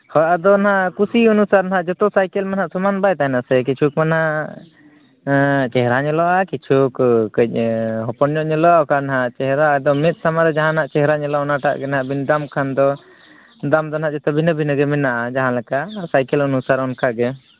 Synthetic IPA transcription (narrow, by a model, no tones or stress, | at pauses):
hɔjʔad̪ɔnaɦaʔkusiɔnusaɾnaɦaʔd͡ʒɔt̪ɔsajkɛlmanɦaʔsumanbajt̪ajnasɛk̬it͡ʃʰukmanɦaʔ | t͡ʃɛɦɾaɲəlɔʔakit͡ʃʰukkəc̚ˀɦɔpɔnɲɔʔɲəlɔaɔkanaɦat͡ʃɛɦɛɾaʔad̪ɔmɛt̪̚samaɾɛd͡ʒaɦãnaʔt͡ʃɛɦɛɾaɲəlɔɔnaʈa̰ʔɡɛnaɦaʔbind̪amkʰand̪ɔ | d̪amd̪ɔnɦaʔd͡ʒɔt̪ɔbʱinəbʱinəɡɛmɛnaʔad͡ʒaɦãlɛkaʔsajkɛlɔnusaɾɔnkaɡɛ